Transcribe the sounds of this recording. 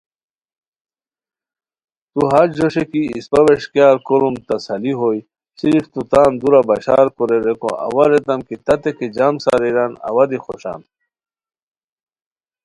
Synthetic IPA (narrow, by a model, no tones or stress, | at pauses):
t̪uɦad͡ʑd͡ʑoɕekiispɐweɕkjaːɾkoɾumt̪ɐsɐliɦoj | siɾift̪ut̪aːnd̪uɾabɐɕa̰ːɾkoɾeɾekõ̰ʔa̰waɾet̪ɐmkit̪ɐt̪eked͡ʑamsa̰ɾiɾana̰wad̪ixoɕa̰n